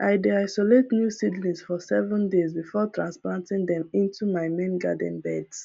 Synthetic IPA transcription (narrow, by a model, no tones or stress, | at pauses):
ʔaɪdeaɪsoletnjusidnĩsfɔsɛvə̃ndezbifɔtɹãnsplãntĩŋd̪ɛ̃mĩntumaɪmẽnɡa̰dɛ̃nbɛds